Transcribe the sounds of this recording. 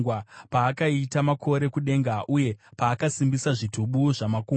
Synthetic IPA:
ɡwapaːkaitamakʰo̞ɾe̞kuɗe̞ŋɡaʔuje̞paːkasimbisaʐitʰuɓuʐamakuː

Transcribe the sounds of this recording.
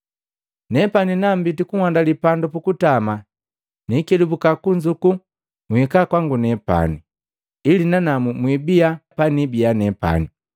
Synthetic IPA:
nɛpaninam̩bitikuŋwandalipandɔpukutama | nikɛdubukakuɲd͡ʒuku | muikakwaŋɡunɛpa̰niː | linanamumwibiapanibianɛpa̰ni

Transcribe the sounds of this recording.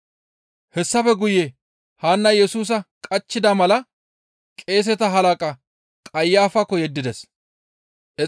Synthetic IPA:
hɛsːɐfɛɡʊjɛ | haːnːɐjɛsuːs̬ɐkʼɐt͡ʃːɪd̪ɐmɐlɐ | kʼe̞ːs̬ɛt̪ɐɦɐlɐkʼɐ | kʼɐjːaːfɐkːɔjɛd̪ːɪd̪ɛs | ʔɛ

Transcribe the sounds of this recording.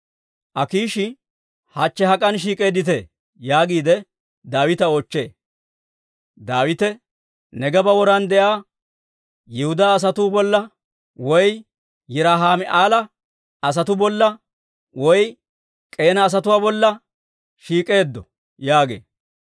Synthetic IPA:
ʔɐkiːʃɪ | hat͡ʃːɛɦɐkʼɐnʃ̬iːkʼe̞ːd̪ːɪt̪̬eː | jaːɡiːd̪ɛ | d̪aːwɪt̪ɐoːt͡ʃːe̞̰ː | d̪aːwɪt̪ɛ | nɛɡɐbɐwɔɾɐnd̪ɛʔaː | jɪhʊd̪aːs̬ɐt̪uːbɔlːɐ | wɔj | jɛɾaːɦaːmɛʔaːlɐ | ɐs̬ɐt̪ʊbɔlːɐ | wɔj | kʼe̞ːnɐːs̬ɐt̪ʊwaːbɔlːɐ | ʃiːkʼe̞ːd̪ːɔ | jaːɡḛː

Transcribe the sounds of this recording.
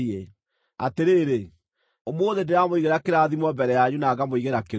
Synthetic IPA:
e | a̰teɾeːɾe | omoðendeamoiɣeɾakeɾaðimwɔmbɛɾɛjaɲunaːɡamoiɣeɾake

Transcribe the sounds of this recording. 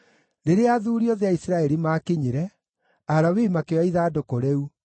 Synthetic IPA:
neɾeaðuːɾiɔðeaisɾaɛɾimaːkeɲiɾɛ | aɾawimakewaiðaːdokoɾeu

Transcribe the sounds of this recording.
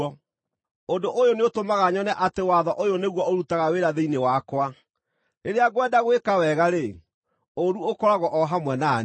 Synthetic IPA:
ɔ | ondoʔojoneotomaɣaɲɔnɛʔatewaðɔʔojoneɣwɔoɾutaɣaweɾaðeinewakwa | eɾeaɣwɛdaɣwekawɛɣaɾe | oɾuokɔɾaɣɔʔɔɦamwɛna

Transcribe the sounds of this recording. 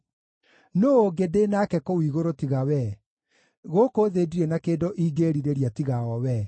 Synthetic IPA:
noːɡedeːnakɛkowiːɣoɾotiɣawɛ | ɣokoðeːdiɾenakeːdoʔiːɡeːɾiɾeɾiatiɣaɔwɛ

